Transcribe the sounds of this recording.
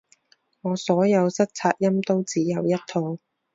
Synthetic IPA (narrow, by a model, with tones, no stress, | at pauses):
ŋɔː˨˧sɔː˨˥jɐ˨˧wsɐ˥k̚t͡sʰaː˧t̚jɐ˥mt̪o˥wt͡siː˨˥jɐ˨˧wjɐ˥t̚t̪ʰːo˧w